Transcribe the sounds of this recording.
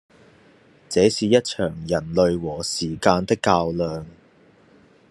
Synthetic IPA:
t͡sɛː˨˥siː˨˧jɐ˥t̚t͡ʃʰœː˨˩ŋjɐ˨˩nlɵ˨˧ɥwɔː˨˩siː˨˩kaː˧nt̪ɪ˥kːaː˧wlœː˨˧ŋ

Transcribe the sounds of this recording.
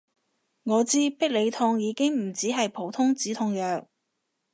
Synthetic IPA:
ŋɔː˨˧t͡siː˥pɪ˥k̚le˨˧jt̪ʰʊ˧ŋjiː˨˧kɪ˥ŋm̩˨˩t͡siː˨˥ɦɐ˨jpʰo˨˥wt̪ʰʊ˥ŋt͡siː˨˥t̪ʰʊ˧ŋjœː˨k̚

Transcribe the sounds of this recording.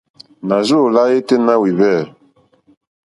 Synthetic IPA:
na˨zo˦˨la˦je˦te˦na˦wi˨βɛ˦˨

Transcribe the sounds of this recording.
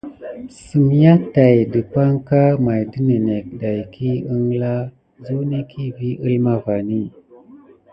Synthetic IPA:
si˨m˨ja˦ta˨jdə˨pa˦ŋka˦ma˨jdə˦ne˨ne˨k̚da˨jkʰi˦ə˦ŋla˦ | zu˦ni˦kʰi˦vi˦ʔi˦lma˦va˨ni˦˨

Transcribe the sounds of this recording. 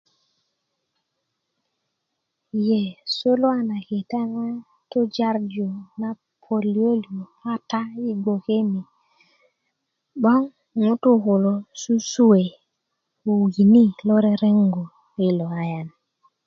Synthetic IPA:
je˨so˦lo˦a˦na˨ke˨ta˦na˦ | to˦d͡ʒa˦ɾd͡ʒu˨na˦ | pʰo˨li˨˦o˦lu˨a˦ta˦i˦ɡʷo˨ke˦mi˨ | ɓɔ˦ŋ | ŋu˦tu˦ko˨lo˨su˦su˦we˨ | u˨wɡi˨ni˦lo˦ɾe˦ɾe˦ŋɡo˨ | e˨lo˨a˦ja˨n

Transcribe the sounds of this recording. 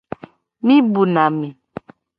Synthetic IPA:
mĩ˦bu˨na˨mi˨

